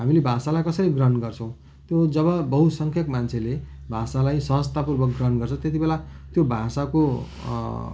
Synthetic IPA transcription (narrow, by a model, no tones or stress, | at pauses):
ɦamilebʱasalajkʌsʌɾiɡrʌnɡʌrt͡sʰʌ̃w̃ | t̪jod͡zʌβʌbʌɦusʌŋkʰjʌkmant͡sʰele | bʱasalajsʌɦʌst̪apurbʌk̚ɡrʌnɡʌrt͡sʰʌ̃t̪jet̪ibelat̪jobʱasako